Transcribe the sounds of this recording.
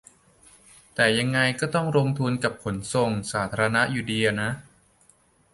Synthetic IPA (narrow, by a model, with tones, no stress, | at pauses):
t̪ɛː˨˩ja˧ŋːa˧jkɔː˥˩t̪ɔ˥˩ŋɾo˧ŋt̪ʰu˧nka˨˩p̚kʰo˩˦nso˨˩ŋsaː˩˦t̪ʰaː˧ɾa˧na˦˥ʔjuː˧˩di˧ɐ˧na˦˥ʔ